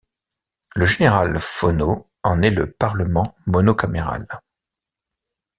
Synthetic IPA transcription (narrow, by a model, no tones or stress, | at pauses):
ləʒeneʁalfono | ɑ̃nɛləpaʁləmɑ̃mɔnokameʁa̰l